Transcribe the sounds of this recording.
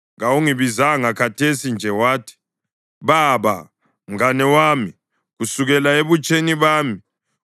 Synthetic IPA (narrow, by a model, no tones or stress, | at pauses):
ŋawuŋiβizaŋakʰatʰesind͡ʒʱɛwaːtʰi̥ | βaβa̰ | m̩anɛwaːmi | ɣusuɣɛlaeβut͡ʃʼeniβaːmi